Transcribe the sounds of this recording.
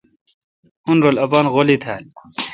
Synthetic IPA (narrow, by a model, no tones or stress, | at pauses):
hunɾolɐpanɣolit̪ʰa̰ːl